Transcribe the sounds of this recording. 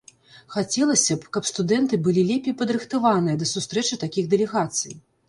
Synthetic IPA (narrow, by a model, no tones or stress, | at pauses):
xat͡sʲɛlˠɐsʲɐpkɐpst̪ud̪ɛnt̪ɨbɨlʲilʲɛpʲɛjpɐd̪ɾɨxt̪avanɨjɐd̪ɐsust̪ɾɛt͡ʂɨt̪akʲiɣd̪ɛlʲɛɣat̪sɨj